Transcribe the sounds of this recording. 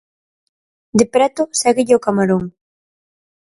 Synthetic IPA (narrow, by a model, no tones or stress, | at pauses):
d̪epɾɛt̪ʊsɛɣɪʎɪokamaɾoŋ